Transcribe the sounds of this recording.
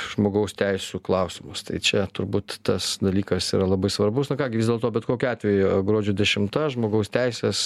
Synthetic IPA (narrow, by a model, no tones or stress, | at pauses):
ʒ̥moːɡɐʊst̪ʲɛɪsʲuklˠɐʊsʲɪmʊst̪ɐ̰ɪt͡ʃʲɛt̪ʊɾbuːt̪tɐsd̪ɐlʲiːkɐsḭːɾɐlˠɐbɐɪsʋɐrbʊsnʊkɑːɡʲɪʋʲɪzd̪ʲelˠt̪oːbʲɛt̪koːkʲɪɑːt̪ʲʋʲɛjʊʊɡɾuɔd͡ʒʲud̪ʲɛʃʲɪmt̪ɐʒmoːɡɐʊst̪ʲɛɪsʲeːs